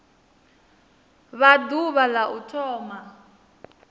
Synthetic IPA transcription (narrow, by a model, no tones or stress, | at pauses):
βaduβalaʔutʰɔːma